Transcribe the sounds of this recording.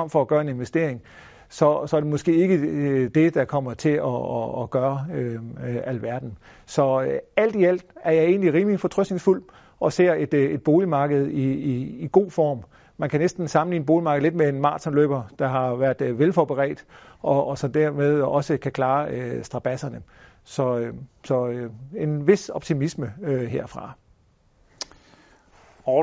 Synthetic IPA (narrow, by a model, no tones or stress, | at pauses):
ɒ̽m̰fɒ̽ːɡ̥ɶːɐe̝ne̝nʋesd̥e̝ɐ̰eŋ | sɒ̽sɒ̽æɐd̥e̝mɒ̽sɡ̥e̝̰ːe̝ɡ̥əd̥e̝d̥ɑ̈kʰɒ̽m̰ɐt͡sʰe̝ɒːɡ̥ɶːɐøæl̰ʋæɐd̥n̩ | sɒ̽æl̰d̥iæl̰d̥æɐjɑ̈ɪe̝̰ːnliʁiːmlifɒ̽t͡sʰʁœsd̥ne̝ŋsful̰ | ɒ̽se̝̰ɐ̰e̝d̥e̝d̥̚b̥o̝ːlimɑ̈ːɡ̥əð̞̩ˠiiːɡ̥o̝̰ːfɒ̰ːm | mænkʰænesd̥n̩sɑ̈mn̩lḭːnbo̝ːlimɑ̈ːɡ̥ð̩ˠle̝d̥mee̝nmɑ̰̥̈ːt͡sʰɒnlø̰ːb̥ɐd̥ɑ̈ɦɑ̈ʋæɐ̰d̥ʋelfɒb̥əʁɛ̰ːd̥ʔɒ̽sɒ̽d̥æɐ̰með̞ˠɒ̽səkʰækʰlɑ̈ːøsd̥ʁɑ̈b̥æsɐnə | sɒ̽sɒ̽øe̝nʋe̝sɒ̽b̥t͡sʰimisməøɦe̝ɐ̰fʁɑ̈